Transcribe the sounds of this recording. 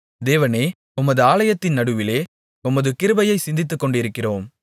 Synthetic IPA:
d̪eːʋɐneː | ʊmːɐðɯaːlɐjɐt̪ːɪnnɐɽɯʋɪleː | ʊmːɐðɯkɪɾɯbɐjɐɪsɪnd̪ɪt̪ːɯkːɔɳɖɪɾɯkːɪroːm

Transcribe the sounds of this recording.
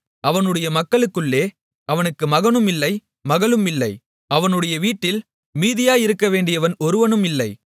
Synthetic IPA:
ʔɐʋɐnɯɽɐjɐmɐkːɐɭɯkːɯɭːeː | ɐʋɐnɯkːɯmɐɣɐnɯmɪlːɐɪ | mɐɣɐɭɯmɪlːɐɪ | ɐʋɐnɯɽɐjɐʋiːʈːɪl | miːðɪjaːjɪɾɯkːɐʋeːɳɖɪjɐʋɐnɔɾɯʋɐnɯmɪlːɐɪ

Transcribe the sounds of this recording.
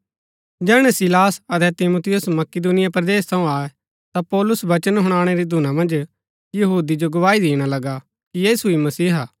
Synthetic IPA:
d͡ʒɛːɽ̃ɛsɪlaːsɐt̪ɛt̪ɪmuːt̪ʰɪjʊsmɐkɪd̪unɪjapɾɐd̪eːst̪ʰɐ̃ũaːɛ | t̪apɔːlʊsʋɐt͡ʃənɦʊɽ̃aːɽ̃eɾid̪ʱʊnamɐ̃nd͡ʒ | jɐɦuːd̪id͡ʒoɡʊʋaːid̪eːɽ̃alɐɡa | kijeːsuimɐsiːɦaː

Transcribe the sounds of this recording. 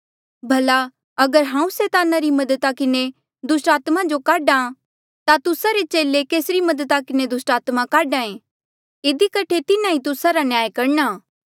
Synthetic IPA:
bʱɐla | ɐɡəɾɦãːũseːt̪aːnaɾimɐd̪ət̪akɪne | d̪ʊsʈaːt̪mad͡ʒokaːɖa | t̪at̪ʊsaɾet͡ʃeːlekeːsɾimɐd̪ət̪akɪned̪ʊsʈaːt̪makaːɖãːẽ | ɪd̪ikɐʈʰet̪ɪnãɦit̪ʊsaɾanjaːjkɐɾɳaː

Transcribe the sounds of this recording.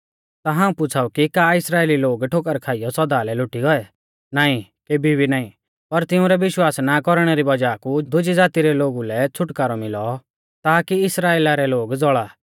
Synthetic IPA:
t̪aɦãːũpʊt͡sʰaːukikaːɪsɾaːeːliloːɡʈʰoːk̬əɾkʰaːijɔsɔd̪aːlɛlʊʈiɡɔɛ | naːĩkeːbʱibinaːĩ | pɐɾt̪ɪʊ̃ɾɛʋɪʃwaːsnakɔɾɽ̃ɛɾibɐd͡ʒaːkud̪ʊd͡ʒid͡zaːt̪iɾɛloːɡulɛt͡sʰʊʈkaːɾɔmɪlɔ | t̪aːkiɪsɾaːeːlaɾɛloːɡd͡zɔɭaː

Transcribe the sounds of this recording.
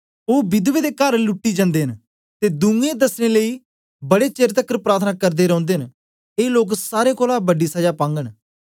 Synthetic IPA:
oːbɪd̪ʋeːd̪eːkəɾlʊʈːiːd͡ʒãːnd̪eːɦən | t̪eːd̪ʊ̃ŋɡẽd̪əsneːləiː | bəɽeːt͡ʃeːɾt̪əkːəɾpɾaːt̪ʰnaːkəɾd̪eːɾə̃ːnd̪eːɦn | eːloːksaːɾeːkoːlaːbəɖiːsəd͡ʒaːpãːŋɡəɳ

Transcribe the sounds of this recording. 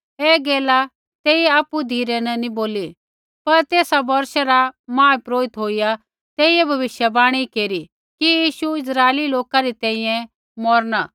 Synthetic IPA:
eːɡeːla | t̪eːiaːpud̪ʱiːɾɛnɐniboːli | pɐɾt̪eːsabɐɾʃɛɾamãːpɾoːɪt̪ɦoːija | t̪eːɪjɛbʱɐʋɪʃjɐbaːɽ̃ikeːɾi | kijiːʃuɪs̬ɾaːeliloːkaɾit̪ɛ̃ːĩjɛ̃ | mɔɾnaː

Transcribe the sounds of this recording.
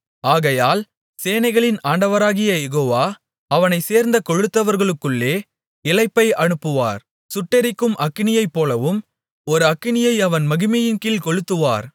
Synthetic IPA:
aːɣɐjaːl | seːnɐɪɣɐɭɪnaːɳɖɐʋɐɾaːɣɪjɐjɛɣoːʋaː | ɐʋɐnɐɪseːɾnd̪ɐkɔɻɯt̪ːɐʋɐɾɣɐɭɯkːɯɭːeː | ɪlɐɪpːɐɪɐɳɯpːɯʋa̰ːɾ | sʊʈːɛɾɪkːɯmʔɐkːɪnɪjɐɪpːoːlɐʋɯm | ɔɾɯɐkːɪɳɪjɐɪɐʋɐnmɐɣɯmɛjɪnkɪlkɔɻɯt̪ːɯʋa̰ːɾ

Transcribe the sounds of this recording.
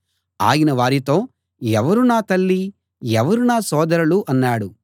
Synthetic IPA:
a̰ːjinɐʋaːɾit̪o̞ː | ɛʋɐɾunaːt̪ɐlːi | ɛʋɐɾunaːsɔːd̪ɐɾɐluʔɐnːaːɽu

